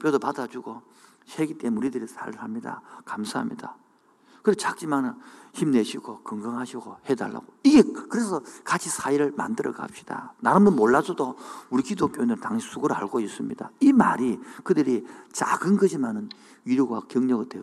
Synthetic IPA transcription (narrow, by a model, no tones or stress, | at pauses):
pjodopadad͡ʑuɡo | ɕʰeɡit͈ʼe̞muɾidɯɾisʰa̰ɾɦamɲida̰kamsʰaɦa̰mɲḭda̰ | kɯɾest͡ɕak̚t͡ɕ͈imanɯçimne̞ɕʰiɡokɯŋɡʌŋɦaɕʰiɡohe̞da̰ɭːa̰ɡoiɡe̞kɯɾe̞sʰʌkat͡ɕʰisʰaiɾɯɭma̰ndɯɾʌ̰ɡa̰p̚ɕ͈i̥d̥a̰naɾɯmɯnmoɭːad͡ʑodouɾikidok͈joinɯɭtaŋɕʰisʰuɡɯɾɯɦaɭɡois͈ɯmɲidaima̰ɾikɯdɯɾit͡ɕa̰ɡɯnɡɯd͡ʑimanɯn | ɥiɾjoɡwakjʌŋɲʌɡɯɭdwe